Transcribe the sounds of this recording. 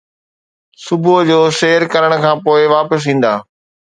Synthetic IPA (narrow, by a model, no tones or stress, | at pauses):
sʊbʱʊd͡ʑoːʃeːəɾkɐɾəɽ̃̆kʰãːpoːɪʋaːpəs̬ɦĩːn̆d̪a̰ː